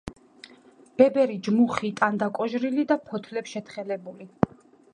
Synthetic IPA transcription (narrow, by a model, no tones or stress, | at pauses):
b̥ɛbɛɾid͡ʒmuχit̪ʼand̪akʼɔʒɾilid̪apʰɔt̪ʰlɛpsʃɛt̪χɛlɛbuli